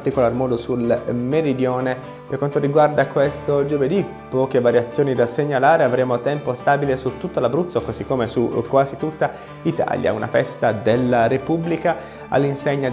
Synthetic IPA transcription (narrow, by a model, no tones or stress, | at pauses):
t̪ikolarmɔːd̪osulmeɾid̪jɔːne | perkwant̪oɾiɡward̪akwest̪od͡ʒoved̪i | pːɔːkevaɾjat̪sːjoːnid̪aseɲːalaːɾeavɾeːmot̪ɛmpost̪aːbilesut̪ːut̪ːalabɾut̪sokozikːomesukwaːzit̪ut̪ːa | it̪a̰ːlja̰una̰fɛst̪ad̪elːaɾepublika | a̰lːinseɲːa